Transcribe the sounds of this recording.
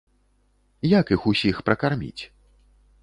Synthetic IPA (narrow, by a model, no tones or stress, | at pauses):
jakixusʲixpɾɐkarmʲḭt͡sʲ